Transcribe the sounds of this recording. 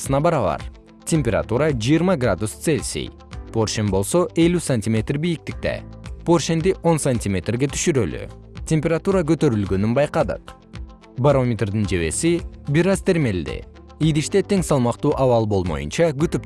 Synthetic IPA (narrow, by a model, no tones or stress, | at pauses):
sɯnɑbɑɾɑβɑ̰ɾ | tʲemʲpʲeɾa̰t̪uɾɑad͡ʒijɨɾmɑɡrad̪ust̪selʲsḭj | pʰo̞rʃenbo̞lˠso̞ʔe̞lʲysanʲtʲimʲe̞t̪rbijik̚t̪ik̚t̪ḛpo̞rʃend̪iʔo̞nsɐnʲtʲimʲe̞t̪rɡe̞t̪ʰy̥ʃyɾøly̰ | tʲe̞mʲpʲeɾat̪uɾɑkøt̪ø̞ɾylɡø̞nynbɑjqɑd̪ɯ̰q | baɾo̞mʲet̪rd̪ɨnd͡ʒe̞βe̞̰sibiɾɑzt̪ʰe̞ɾme̞ld̪ḛ | ijd̪iʃt̪et̪e̞ŋsɑlˠmɑqt̪uːʔɑvɑlˠbo̞lˠmo̞̰jṵnt͡ʃɑɡyt̪yp